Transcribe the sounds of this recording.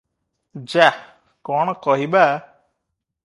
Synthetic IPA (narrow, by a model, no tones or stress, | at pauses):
d͡ʒa | kɔɳ̃kɔɦiba